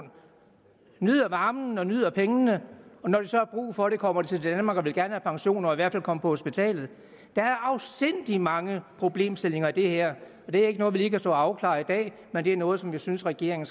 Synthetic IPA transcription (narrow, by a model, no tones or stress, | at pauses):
nyðˠɐʋɑ̈ːmn̩ɒ̽nyð̞̰ˠɐpʰeŋənəɒ̽nɒd̥esɒ̽æb̥ʁṵːfɒ̽ɾ̥e̝kʰɒ̽m̰ɐd̥et͡sʰe̝ld̥ænəmɑ̈ːɡ̥ʋelɡ̥æɐnəhæpʰɑ̈ŋɕo̝̰ːnɐɒ̽iʋæɐfælkʰɒ̽məpʰɒ̽ho̝sb̥it͡sʰɛ̰ːlð̩ˠ | d̥ɑ̈æɐʔɑ̈ʊsd̥en̰d̥imɑ̈ŋəpʰʁo̝b̥le̝̰ːmsd̥e̝l̰e̝ŋɐid̥e̝heɐ̰ | ɒ̽d̥e̝æɐe̝ɡ̥ənɔ̽ːðˠʋiliːkʰæsd̥ɔ̰ːɑ̈ʊkʰlɑ̰̈ːid̥ɛ̰ː | mend̥e̝æɐnɔ̽ːð̞̩ˠsɒ̽mʋisynsʁɛɡ̥e̝̰ɐ̰eŋn̩